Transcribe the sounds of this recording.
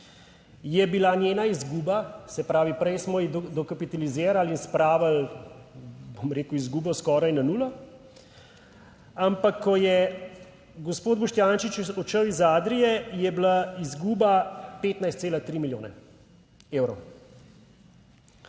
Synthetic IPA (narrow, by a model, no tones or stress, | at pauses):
jɛbilanʲjeːnaizɡuːbasɛpɾaːʋipɾɛjsmɔid̪d̪ɔkapit̪alizeːɾalinspɾaːʋal | bomɾeːkuizɡuːbɔskɔːɾajnanuːlɔ | ampakʰːɔjɛ | ɡɔspoːd̪̚bɔʃt̪jaːnʃit͡ʃɔt͡ʃəwizaːd̪ɾijɛjɛblaizɡuːbapeːt̪najst̪seːlat̪ɾimiljoːnɛ̰ | eːwɾɔw